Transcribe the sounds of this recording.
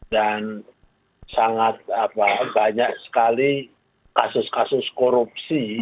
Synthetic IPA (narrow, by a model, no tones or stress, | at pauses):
dan | saŋat̪̚apabaɲak̚sə̥kali | kasʊskasʊskoɾup̚si